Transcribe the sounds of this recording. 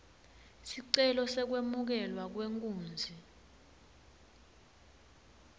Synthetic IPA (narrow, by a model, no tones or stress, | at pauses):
siǀɛlɔsɛk̬wemuk̬ɛlwak̬weŋkʼuːnd͡zʱi